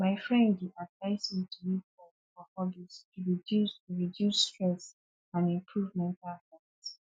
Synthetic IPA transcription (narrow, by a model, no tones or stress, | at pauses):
maɪfɹɛ̃ndiʔadvaɪsmitʰulikɔ | fɔhɔbistʰuɹidusɹidjustɹɛ̃s | ãnĩmpʰɹuvmɛ̃ntalhɔɡs